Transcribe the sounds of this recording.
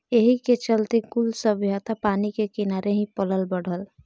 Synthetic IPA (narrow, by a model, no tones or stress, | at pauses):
eɦiket͡ʃəlt̪ekʊlsəbʱjat̪apaːnikekinaːɾʔeɦĩpələlbəɽ̤əl